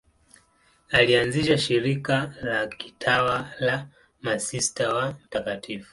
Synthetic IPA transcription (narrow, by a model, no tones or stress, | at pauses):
alianziʃaʃiɾikalaki̥tʰawala | masistawam̩takatʰifu̥